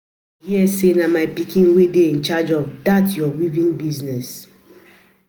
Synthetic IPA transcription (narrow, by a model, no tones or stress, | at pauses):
hiɛsenamaɪpikĩnwedeĩnt͡ʃad͡ʒɔvdatjɔwivĩnbiznɛs